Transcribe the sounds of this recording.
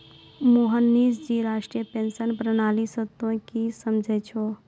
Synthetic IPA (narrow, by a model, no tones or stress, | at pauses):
moɦənːisd͡ʒiɾasʈɾijəpensənpɾənalisət̪õkisəmd͡ʒʱɛt͡ʃʰo